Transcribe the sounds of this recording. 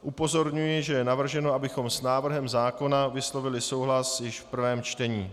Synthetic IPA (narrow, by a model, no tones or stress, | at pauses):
ʔupo̞zo̞ɾɲujɪʒɛjɛnavr̩ʒɛno̞ʔabɪxo̞msnaːvr̩ɦɛmzaːko̞navɪslo̞vɪlɪso̞wɦlasjɪʃfpr̩vɛːmt͡ʃt̪ɛɲiː